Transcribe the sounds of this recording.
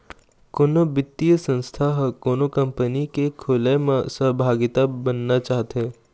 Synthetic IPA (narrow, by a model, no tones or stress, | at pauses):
konobɪt̪ːijəsə̃nst̪ʰaɦkoːnokɐ̃mpənikekʰoːlemãsəɦbʱaːɡɪt̪abɐnːat͡ʃaːɦt̪e